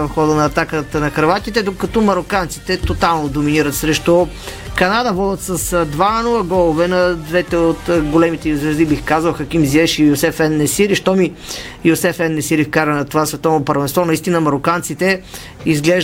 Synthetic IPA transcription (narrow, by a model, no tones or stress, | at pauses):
ɐfxɔd̪ənɐːt̪akət̪nɐkɾɐvat̪it̪ɛd̪okɐt̪ɔmɐɾokant̪si̥t̪ɛt̪ot̪alˠnod̪ominiɾət̪sɾɛʃt̪ɔ | kɐnad̪əvɔd̪ʲət̪sɐsd̪vanuəɡɔlˠovɛnɐd̪vɛt̪ɛot̪ɡolɛmit̪ɛizvɾɛzibixkazəlˠxɐk̟imziɛʃijosɛfɛnːɛsiɾiʃt̪ɔmi | josɛfɛnːɛsiɾifkaɾənɐt̪ovasvɛt̪ɔvnopəɾvɛnst̪vɔnɐist̪inəmɐɾokant̪sit̪ɛ | izɡlɛʒ